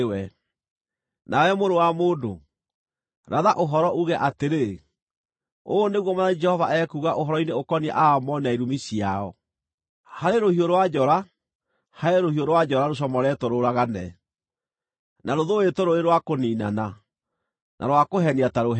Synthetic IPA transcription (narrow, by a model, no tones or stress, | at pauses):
wɛ | nawɛmoɾowamoːdo | ɾaðaʔoɦɔɾɔʔuɣɛʔateɾe | oːneɣwɔmaðad͡ʒɛhɔvaʔɛkuɣaʔoɦɔɾɔineokɔnia̰ʔaːmɔnaiɾumisiaɔ | haɾeɾohioɾwad͡ʒɔɾa | haeɾohioɾwad͡ʒɔɾaɾoɕ̬ɔmɔɾɛtoɾoɾaɣanɛ̰ | naɾoðoetoɾoɾeɾwakoniːna̰na | nʔa̰ɾwakoɦɛniataɾoɦ